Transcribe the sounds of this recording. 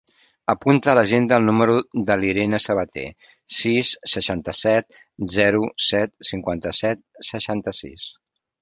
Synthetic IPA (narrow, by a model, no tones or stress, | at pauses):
əpunt̪əːləʒend̪əːlˠnuməɾuðəliɾenəsəβət̪ḛ | sisːəʃant̪əsɛt̪̚ | zɛɾusɛt̪̚siŋkwant̪əsɛt̪̚səʃant̪əsḭs